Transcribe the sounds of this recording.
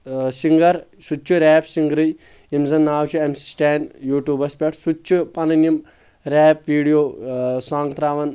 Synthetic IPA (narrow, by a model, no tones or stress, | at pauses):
siŋɡɐɾsut͡ʃʰːuɾɛːpsiŋɡɾɨj | imzɐnːaːwt͡ʃʰuemssʈeːnjuːʈjuːbɐspʲeʈʰsut͡ʃʰːupɐnɐnim | ɾeːp̚ʋiːɽijoːsãːŋɡt̪ɾaːʋɐn